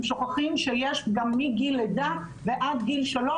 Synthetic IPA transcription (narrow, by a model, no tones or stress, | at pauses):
mʃoχaχimʃejeʃɡamːiɡiled̪a | veʔad̪ɡilʃalo